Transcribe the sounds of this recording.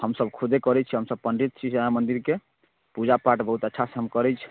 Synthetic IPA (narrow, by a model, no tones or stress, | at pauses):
həmsəbkʰud̪ʱekəɾɛt͡ʃʰiɦəmsəb̚pənɖɾit̪̚t͡ʃʰimənd̪iɾke | pud͡ʒapaʈbəɦut̪ətːʃʰaseɦəmkəɾɛt͡ʃʰ